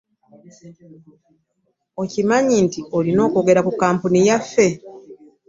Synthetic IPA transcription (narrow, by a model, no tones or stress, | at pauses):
o̞cimaɲintiolino̞ːko̞ɡe̞ɾakukːaːmpunijafːe̞